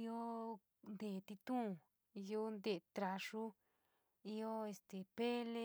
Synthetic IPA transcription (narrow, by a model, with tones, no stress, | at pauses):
i˦o˦ | nd̪e˨t̪i˧t̪ũ˦˨ | i˧˦jo˦nd̪e˧˨t̪ɾa˧ʂu˦ | i˦o˦e˧˨st̪e˨pe˦le˦